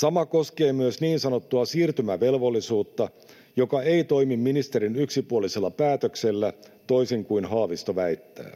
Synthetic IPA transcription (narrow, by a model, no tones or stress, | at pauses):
sɑmɑko̞ske̞ːmyøsniːnsɑno̞t̪ːuɑsiːrt̪ymæʋe̞lʋo̞lːisuːt̪ːɑ | jo̞kɑe̞it̪o̞jmimːinist̪eɾinyksipuolise̞lːɑpæːt̪økse̞lːæ | t̪o̞ijsiŋkujnɦɑːʋist̪oʋæit̪ːæ̰ː